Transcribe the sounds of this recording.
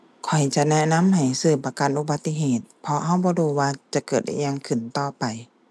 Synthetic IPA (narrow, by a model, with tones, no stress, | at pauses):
kʰɔ˨˩jt͡ɕa˧ʔnɛ˧˥na˧˥˨mha˨˩jsɯː˧˩pa˧ka˨nʔu˧˦ba˧˦t̪ːi˧˨ɦeː˨˩t̪̚pʰɔ˧ha˧˥˩wbɔː˧˦duː˧˩waː˧t͡ɕa˨˧˦kɤː˨˩t̪̚ʔa̰˧˩jɲa˧˨ŋkʰɯ˨˩nt̪ɔː˧˩pa˨˩j